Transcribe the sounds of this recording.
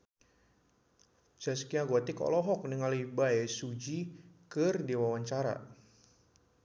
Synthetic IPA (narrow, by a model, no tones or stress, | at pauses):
d͡ʒaskiaɡɔt̪ɪkɔ̰lɔɦɔk̚niŋalibaɛsud͡ʒikɨrdiwawaɲt͡ʃaɾa̰